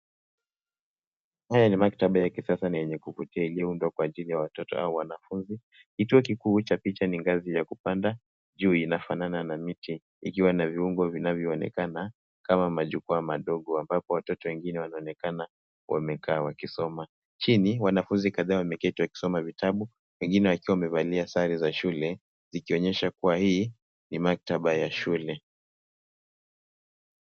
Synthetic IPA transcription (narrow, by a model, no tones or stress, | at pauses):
hajanimaktaɓajakisasanajɛɲɛkuvutiailijɔundwakwaːʄilijawatɔtɔ̰a̰uwanafunzi | kituɔkikuːt͡ʃapit͡ʃaniŋɡazijakupanda | ʄuːinafanananamitiː | kiwanaviuŋɡɔvinavjɔːnɛ̰kana | kamamaʄukuamaɗɔɠɔambapɔwatɔtɔwɛŋɡinɛwanaɔnɛkana | wʔa̰mɛkaːwakisɔma | t͡ʃiniwanafunzikaðaːwamɛkɛtiwaki̥sɔmavitaɓu | wɛŋɡinɛwakiwawamɛvaliasaɾizaʃulɛ | zikiɔɲɛʃakuwahiː | nimak̚taɓajaʃulɛ